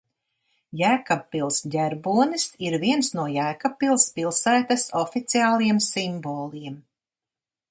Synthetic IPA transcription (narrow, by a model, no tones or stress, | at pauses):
jæːkapːilˠsdʲæɾbuɔnisiɾviɛnsnuɔjæːkapːilˠspilˠsæːt̪asɔfit̪siaːlˠijɛmsimboːlˠiɛm